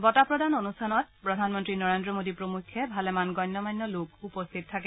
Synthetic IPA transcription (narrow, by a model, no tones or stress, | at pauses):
bɔtapɹɔdanonustʰanɔt̚pɹɔdʱanmɔntɹinɔɹendɹɔmodipɹomukʰːɛbʱalɛmanɡɔjnːɔmanːɔlokupɔstʰit̚tʰːakɛ